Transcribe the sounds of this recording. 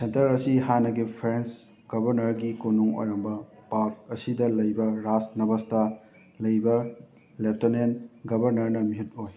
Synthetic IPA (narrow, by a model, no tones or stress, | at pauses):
sentɐɾɐsiɦanɐɡipʰɾens | ɡ̥ɐbɐɾnɐɾɡikonuŋo̰jɾɐmbɐpak̚ɐsidɐlɐjbɐɾasnɐbɐstɐ | lɐjbɐ | lep̚tonenɡɐbʱɐɾnɐɾnɐmiɦit̚oj